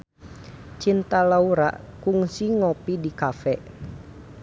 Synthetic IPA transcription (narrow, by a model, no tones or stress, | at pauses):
t͡ʃint̪alauɾa̰ʔ | kuŋsiŋɔpidikafɛ